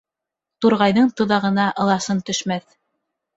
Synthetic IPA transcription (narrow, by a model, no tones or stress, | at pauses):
t̪uɾʁɑjðɤɴt̪ɤ̆ðɑʁɤ̆nɑʔɤ̆lˠɑsɤnt̪ɵ̆ʃmæθ